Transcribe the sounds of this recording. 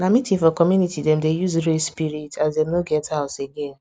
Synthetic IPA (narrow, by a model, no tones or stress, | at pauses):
namitifɔkɔmjunitidem̩dejuzɾespiɾitʰazdẽmnoɡɛtaʊseɡen